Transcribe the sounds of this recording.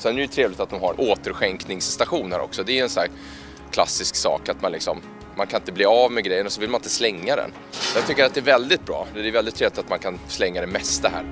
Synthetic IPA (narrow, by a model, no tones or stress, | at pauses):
sɛnɛɾɛt̪ʰɾeːvlɪt̪at̪̚d̪ɔmhaɾʔoːt̪əɾɧɛŋknɪŋsːt̪aɧuːnhæ̰ːɾɔ̰ksɔd̪ɛːjɵɛnsɔæːɾ | kʰla̰sːɪsksɑ̰ːkat̪manlɪksɔ̰mː | ankʰanɪnt̪əbliːavmɛɡɾɛjːənɔsɔvɪlmanɪt̪əslɛŋːad̪ɛ̰n | jɑːɡ̚t̪ʏkːəɾat̪d̪ɛːɾvɛld̪ɪt̪̚bɾɑ̰ːd̪ɛvɛld̪ɪt̪ʰɾeːvlɪt̪at̪mankʰanslɛŋːad̪ɛmɛst̪əɦæ̰ːɾ